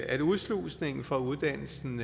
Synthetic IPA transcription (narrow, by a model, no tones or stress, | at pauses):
æuðˠslṵsne̝ŋn̩fʁɒ̈uð̞ˠd̥æn̰l̩sn̩